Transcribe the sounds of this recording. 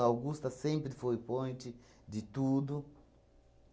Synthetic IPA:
awɡust̪ɐsẽmpɾɪfojpõnt̪i | d̪ɪt̪ud̪u

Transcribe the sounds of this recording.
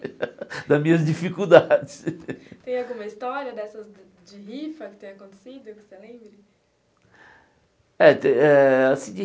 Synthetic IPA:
d̪ɐzmĩɲɐzd͡ʒifikud̪ad͡ʒɪst̪ẽj̃awɡũmɐist̪ɔɾiɐd̪ɛsɐz | d͡ʒɪɦifɐkɪ̥t̪ẽj̃ɐkõnt̪e̥sid̪ʊkɪ̥selẽbɾɪ | ɛt̪ẽɛasĩd͡ʒɪ

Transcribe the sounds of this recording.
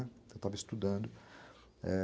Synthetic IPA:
ewt̪avɐist̪ud̪ɐ̃d̪ʊ | ɛ

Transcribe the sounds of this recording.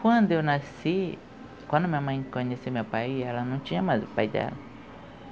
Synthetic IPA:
kʷwɐ̃nd̪ʊewnasi | kwɐ̃nd̪ʊmĩɲɐmɐ̃j̃kõɲesimewpajɛlɐnɐ̃w̃t͡ʃĩɲɐmajzʊpa̰jd̪ɛ̰lɐ

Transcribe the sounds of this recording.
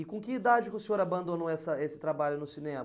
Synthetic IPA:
ɪkõkɪid̪ad͡ʒɪkʲɪʊsẽoɾabɐ̃nd̪onowɛsɐesɪ̥t̪ɾabaʎʊnʊsinẽ

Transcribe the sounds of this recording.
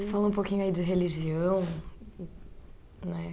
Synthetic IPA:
sɪfalɐ̃ũpokĩɲʊaid͡ʒɪɦeliʒiɐ̃w̃ | nɛ

